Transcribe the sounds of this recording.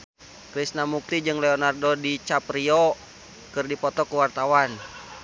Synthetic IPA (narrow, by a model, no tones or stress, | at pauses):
kɾisnamuk̚t̪id͡ʒɨŋlɛɔnardɔdit͡ʃapriɔ | kɨrdipɔt̪ɔkuwart̪awan